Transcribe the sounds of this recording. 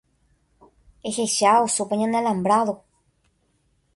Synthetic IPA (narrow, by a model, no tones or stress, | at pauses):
eheʃaosupeɲãnelãmbɾaðo